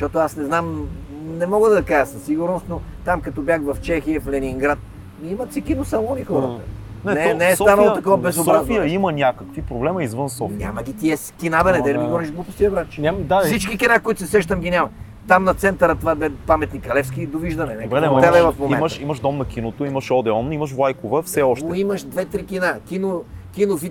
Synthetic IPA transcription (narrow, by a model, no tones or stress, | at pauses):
ʃt̪ɔt̪ʊasnɛznam | nɛmɔɡəd̪ɐkaʒəsɐsːiɡuɾnost̪not̪amkɐt̪ɔbʲjaxvɐft͡ʃɛxiəflɛniŋɡɾat̪̚ | miimɐt̪sikinosɐlˠɔnixɔɾət̪ə | nɛnɛnɛɛst̪anɐlˠot̪ɐkovɐbɛzszob̪ɾɔazfiəimɐnʲakəkvipɾoblɛmɐizvənsɔfnʲa̰mɐɡ̟ʲit̪iɛskinabɛnɛd̪ɛd̪miɡɔɾiʒɡ̪lˠupʊst̪iɐbɾat͡ʃnad̪asit͡ʃkikʲinakoit̪ʊ̥sɛsɛʃt̪əmɡʲinʲamɐ | t̪amnɐt̪sɛnt̪ɐɾət̪ovad̪ɛpamɛt̪nikɐlɛfskid̪oviʒd̪ɐnɛnɛɛɛɛbɛvɐfmomiɛnəʃiməʃd̪ɔmnɐkinot̪oiməʃɔd̪ɛɔniməʃ̬vlˠajkovəfsɛɔʃtɛoiməʃd̪vɛt̪ɾikinakinokʲinofit̪